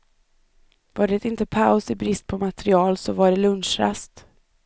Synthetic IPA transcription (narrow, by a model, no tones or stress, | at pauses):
vaɖɛɛt̪ɪnt̪əpʰaʊsɪbɾɪst̪̚pʰɔmat̪ɾɪɑːlsɔvaɖɛlɵnʂɾa̰st̪